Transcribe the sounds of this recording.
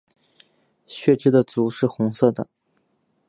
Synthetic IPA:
ɕɥɛ˥˩ʈ͡ʂɻ̩˥d̪ə˧˨t͡su˧˥ʂɻ̩˥˩xʊ˧˥ŋsɤ˥˩d̪ə̰˩

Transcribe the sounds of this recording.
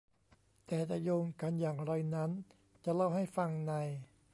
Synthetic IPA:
t̪ɛː˨˩t̪a˧joː˧ŋka˧njaː˨˩ŋɾa˧jna˦˥n | t͡ɕa˨˩la˥˩wɦa˥˩jfa˧ŋna˧j

